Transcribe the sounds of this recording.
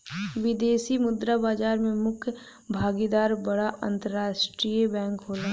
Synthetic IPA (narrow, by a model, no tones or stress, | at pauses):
ʋɪd̪eːsimʊd̪ɾabaːd͡ʒaːɾmẽmʊkʰj | bʱaːɡid̪aːɾbəɽaʔə̰̃nt̪əɾaːʃʈɾiebɛ̃ːŋkɦoːlã